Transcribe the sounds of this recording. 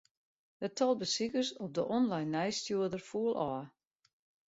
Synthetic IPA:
ətɔlˠbəsikərsɔp̚dəʔɔnlajnːɛjstjuədərfuəlˠʔɔː

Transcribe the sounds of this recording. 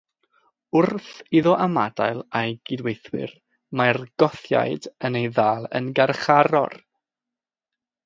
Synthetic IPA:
ʊrθiðɔʔamada̰ɨlˠajɡ̥ɪdwejθwɪ̰r | marɡ̥ɔθja̰jdənejðaːlˠə̰nɡarχaɾɔ̰r

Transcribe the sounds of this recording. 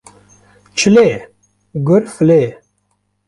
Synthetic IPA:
t͡ʃʰile | ɡʊɾfleː

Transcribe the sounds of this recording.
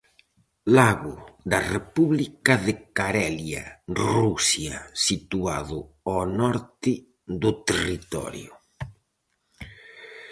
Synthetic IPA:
laɣʊd̪arepuβlikaðekaɾɛlja̰rusjasit̪uaðʊ | ɔnɔɾt̪ɪ | d̪ʊt̪erit̪ɔ̰ɾjʊ

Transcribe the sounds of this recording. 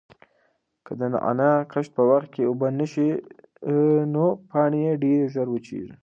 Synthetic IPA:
kəd̪əna̰ʔa̰nakəʃt̪̚pəwaxt̪̚keubənəʃi | nopɑɳejeɖeɾʒəɾwət͡ʃḛʒi

